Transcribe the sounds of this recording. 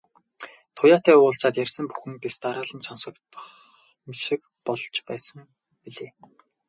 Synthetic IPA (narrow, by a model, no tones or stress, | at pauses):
t̪ʰʊjaːt̪æːʊːɬt͡saːt̪jærʲsə̆mpu̥xɘ̆npist̪aɾaːɮə̆nsɔnsɞ̆kt̪ə̥̆χ | misɘ̆k | pɔɮɞ̆t͡ɕpæːsə̆ŋ | piɮeː